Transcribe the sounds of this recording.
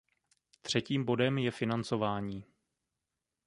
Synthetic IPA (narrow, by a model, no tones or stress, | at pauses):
t̪r̝̥ɛciːmbo̞dɛmjɛfɪnant͡so̞vaːɲiː